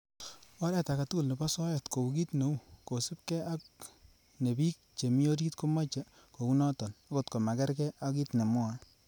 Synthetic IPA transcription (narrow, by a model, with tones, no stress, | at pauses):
ɔ˦ɾɛ˦˨ta˨ka˨tu˦ku˨lni˨pa˦sɔ˦jɔ˨tko˨u˨ki˦tno˨˦wko˨sɪ˦p̚kɛ˦ʔa˦k | ne˨bi˦k̚t͡ʃe˨mi˦o˦ɾi˦tko˦ma˦t͡ʃe˨ | ko˨u˦nɔ˦tɔ˨na˦ko˦tko˨ma˨kɛ˦ɾkɛ˦ʔa˦ki˦tne˨mʊ˦a˨